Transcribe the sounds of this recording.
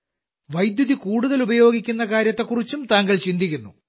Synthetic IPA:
ʋɐjd̪juðikuːɽuðɐlubɐjo̞ːɡikʲːunːɐkaːɾjɐt̪ːe̞kurit͡ɕːumt̪aːŋɡɐɭt͡ɕind̪ikʲːunːu

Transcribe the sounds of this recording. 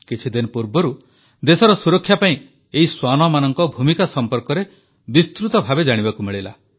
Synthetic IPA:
kit͡ʃʰid̪inɔpuɾbɔɾu | d̪esɔɾɔsuɾɔkʰːjapaĩ | eɦiswanɔmanɔŋkɔbʱumikasɔmpɔɾkɔɾe | bist̪ɾut̪ɔbʱabed͡ʒaɽ̃ibakumiɭila̰

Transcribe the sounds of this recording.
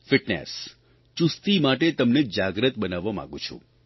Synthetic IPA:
fiʈnḛs | t͡ʃust̪imaʈet̪əmned͡ʒaɡɾət̪bənaʋːamã̰ɡũt͡ʃʰṵ̃

